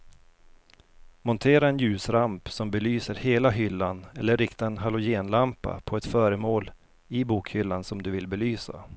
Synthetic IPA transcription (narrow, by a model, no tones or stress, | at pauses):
mɔnt̪ʰeːɾaɛnjʉ̟ːsɾampsɔmbɛlyːsəɾheːlaɦʏlːanɛlːəɾːɪkt̪aɛnɦalʊjeːnlampa̰pʰɔɛt̪fœːɾəmoːl | ɪbuːkhʏlːansɔmd̪ɵvɪlbɛlyːsa̰